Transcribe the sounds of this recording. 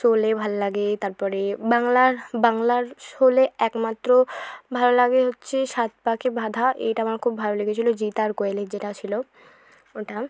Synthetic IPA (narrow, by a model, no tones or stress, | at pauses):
ʃolebʱalolaɡet̪aɾpɔɾebaŋlaɾbaŋlaɾʃoleɛkmat̪ːɾobʱalolaɡeɦotːɕʰeʃat̪̚pakebʱad̪ʱaʔḛjʈaamaɾkʰubʱaloleɡʰet͡ɕʰilod͡ʑit̪aɾkoeled͡ʑeʈat͡ɕʰilo | oʈa